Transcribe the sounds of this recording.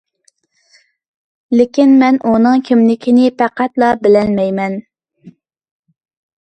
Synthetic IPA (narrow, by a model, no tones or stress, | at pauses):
lɪkʲinmɛnʔunɨŋkʲʰimlɪkʲʰinɪpʰæqæt̪lˠɑbɪlɛlmɛjmɛn